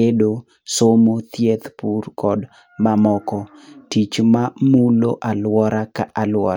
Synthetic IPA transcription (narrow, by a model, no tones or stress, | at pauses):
edo | somot̪jet̪purkɔd | mamɔkɔ | tit͡ʃmamuloʔalwɔɾakaʔalwɔ